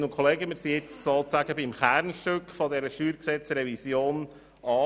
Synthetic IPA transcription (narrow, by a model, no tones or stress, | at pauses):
nʊnkʰχoleːɡəmɪːɾsiɪt͡ssolt͡sæɡəbɪmχæɾnʃtøkfɔdɛɾəʃyːɾksɛt͡srɛvisjoːn | ɑː